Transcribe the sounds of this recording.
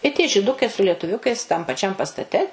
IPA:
ɪ tʲiɛ ʒʲɪˈdʊkɐɪ sʊ lʲiɛtʊˈʋʲʊkɐɪs tɐm pɐˈt͡ʃʲɛm pɐstɐˈtʲɛ

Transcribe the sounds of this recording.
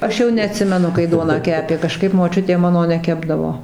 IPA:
ˈɐʃ jɛʊ nʲɛɐˈtʲsʲɪmʲɛnʊ kɐɪ ˈduɔnɑː ˈkʲæːpʲeː kɐˈʃkɐɪp moːˈt͡ʃʲʊtʲeː ˈmɑːnoː nʲɛˈkʲæːbdɐʋoː

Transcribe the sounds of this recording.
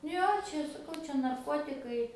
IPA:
ˈjoː ˈt͡ʃʲɛ sɐˈkɐʊ ˈt͡ʃʲɛ nɐrˈkoːtʲɪkɐɪ

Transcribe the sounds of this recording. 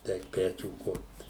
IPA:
ˈɛɪk ˈpʲæːt͡ʃʲuː ˈkʊrt

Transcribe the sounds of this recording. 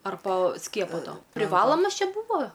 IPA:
ɐr poː ˈsʲkʲiɛpoː ˈtoː pʲrʲɪˈʋɑːlˠoːmɐs ˈt͡ʃʲɛ ˈbʊʋoː

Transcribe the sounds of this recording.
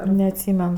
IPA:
nʲɛɐtʲˈsʲiːmʲɛn

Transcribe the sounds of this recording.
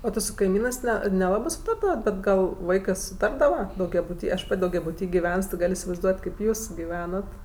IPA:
oː tʲɪ sʊ kɐɪˈmʲiːnɜs ˈnʲɛ nʲɛˈlˠɑːbɜ ˈsʊtɐrdɐʋɐt ˈbʲɛt ˈɡɐlˠ ˈʋɐɪkɜ sʊˈtɐrdɐʋɐ dɐʊɡʲɛbʊˈtʲiː ɐʃ ˈpɐtʲ dɐʊɡʲɛbʊˈtʲiː ɡʲɪˈʋʲɛns tʲɪ ˈɡɐlʲ ɪsʲɪʋɐɪzˈduɔtʲ ˈkʲeːp ˈjuːs ɡʲɪˈʋʲæːnɐt

